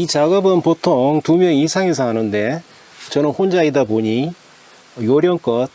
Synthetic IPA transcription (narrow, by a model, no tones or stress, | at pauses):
it͡ɕaɡʌbɯnpotʰoŋtumjʌŋisʰaŋesʰʌɦanɯnde̞ | t͡ɕʌnɯnɸond͡ʑaidaboɲi | joɾjʌŋk͈ʌt̚